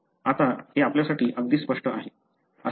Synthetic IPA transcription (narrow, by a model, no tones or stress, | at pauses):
at̪aheapljasaʈʰiːʔəɡd̪iːspəʂʈəʔaɦe | ə